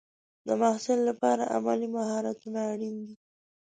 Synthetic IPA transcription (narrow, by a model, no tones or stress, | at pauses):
d̪əmahsɪlːapɑɾa̰ʔa̰malimaɦɑɾat̪unaːɽind̪i